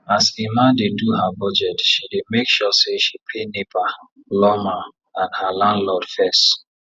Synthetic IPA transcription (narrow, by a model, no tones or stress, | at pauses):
asemãndeduɦabɔd͡ʒɛtʃidemekʃɔseʃipʰenepa | lɔmã | ãnhalãndlɔd̥fɛst